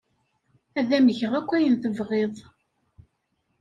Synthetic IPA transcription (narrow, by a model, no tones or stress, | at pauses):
æðæməçəʁækʷːæjənθəvʁeðˤ